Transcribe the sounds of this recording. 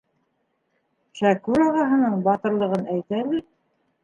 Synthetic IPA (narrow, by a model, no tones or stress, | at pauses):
ʃækʉɾɑʁɑɦɤ̆nɤɴbɑt̪ɤ̆ɾlˠɤ̆ʁɤnæjt̪ælɘ